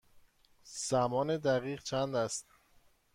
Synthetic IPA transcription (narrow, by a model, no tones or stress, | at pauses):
z̥æmɒːned̪æʁiːʁt͡ʃʰænd̪æst̪